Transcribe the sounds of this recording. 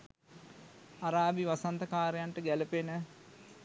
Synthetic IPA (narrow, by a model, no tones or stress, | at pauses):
aɾaːbiʋasant̪ɐkaːɾejaɳʈəɡæləpenə